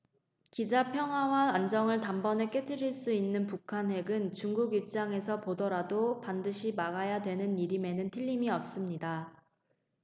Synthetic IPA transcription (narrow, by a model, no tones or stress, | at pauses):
kid͡ʑapʰjʌŋɦwawaand͡ʑʌŋɯɭtambʌnek͈etʰɯɾiɭs͈uinːɯnpukʰanɦe̞ɡɯnt͡ɕuŋɡuɡip̚t͡ɕ͈aŋe̞sʰʌpodʌɾadopandɯɕʰimaɡajadwe̞nɯniɾime̞nɯntʰiʎːimiʌp̚s͈ɯmɲida